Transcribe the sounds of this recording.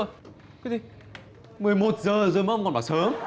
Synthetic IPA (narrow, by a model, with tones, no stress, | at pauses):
kzi˧ | mɨ˨˩əjmo˨˩t̚zəː˨˩zo˨˩jma˧wŋ͡mkɔ˨˩nɓaː˨˩səː˨˦m